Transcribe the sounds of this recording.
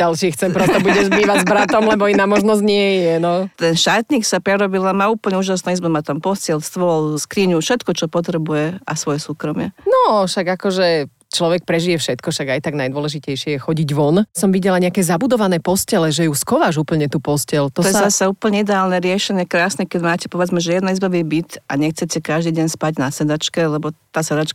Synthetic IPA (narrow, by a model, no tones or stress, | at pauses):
alʃiːxt͡sɛmpɾɛst̪ɔbuɟɛzbiːʋaɟzbɾat̪ɔmlɛbɔinaːmɔʒnɔzɲɪɛjɛnɔt̪ɛnʃt̪aːt̪ɲiːksapɾɛɾɔbilamauːpl̩ɲɛuːʒasnɛizmɛmat̪ampɔscɛlst̪ʋɔɔlskɾiɲufʃɛt̪kɔt͡ʃɔpɔt̪ɾɛbujɛʔasʋɔjɛsuːkɾɔmɪɛnɔʃaɡakɔʒɛ | t͡ʃlɔʋɛk̚pɾɛʒijɛfʃɛt̪kɔʃaɡajt̪aɡnajd̪ʋwɔlɛʒicɛjʃɪɛjɛxɔɟiɟʋɔnsɔmʋiɟɛlaɲɛakɛːzabud̪ɔʋanɛːpɔscɛlɛʒɛjuskɔʋaːʒuːpl̩ɲɛt̪uːpɔscɛlt̪ɔɔjɛzzasauːpl̩ɲɛid̪ɛaːlnɛɾɪɛʃɛɲɪɛkɾaːsnɛkɛɟmaːcɛ̥pɔʋɛd͡zmɛʒɛjɛd̪naizbaʋibit̪a̰ɲɛxt͡sɛcɛkaʒd̪iːɟɛɲspaɟnasɛd̪at͡ʃkɛlɛbɔt̪aːsɛd̪at͡ʃk